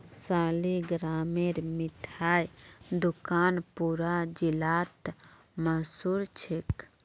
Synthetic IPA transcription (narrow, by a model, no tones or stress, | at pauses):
saːliɡɾaːmeɾmɪʈʰaːjd̪ʊkaːnpuːɾad͡ʒilaːt̪ | məsuːɾt͡ʃʰek